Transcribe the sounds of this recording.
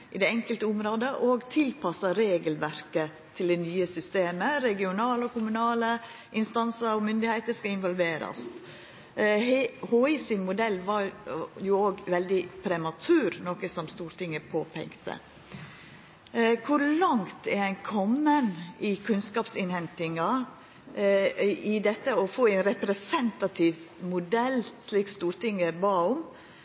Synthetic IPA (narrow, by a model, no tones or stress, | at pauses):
ʔɪd̪ɛɛŋkəlt̪əʊmɾoːd̪əʔoːɡt̪ʰɪlpɑsɑɾeːɡəlʋæɾkə | t̪ʰɪld̪ɛnyːəsʏst̪eːməɾɛɡɪʊnɑːləɔkʊmʉnɑːlə | ʔɪnst̪ɑnsəɾɔmʏnd̪ɪhæɪt̪əskɑɪnʋɔlʋeːɾɑ̰s | hoːɪsɪnmʊd̪ɛlːʋɑɾjʊoːɡʋɛld̪ɪpʰɾɛmɑt̪ʰʉːɾnɔkəsɔmst̪uːɾt̪ɪŋːəpʰoːpʰɛ̰ŋkt̪ʰə̰ | kʰʊɾlɑŋt̪ɛɾæɪnkʰɔmːənɪkʰʉnskɑːpsɪnhɛnt̪ɪŋɑ | ɪd̪ɛt̪ːəɔfoːæɪnɾɛpɾɛsɛnt̪ɑt̪ʰɪʋmʊd̪ɛlːsliːkst̪uːɾt̪ɪŋːəbɑːʊm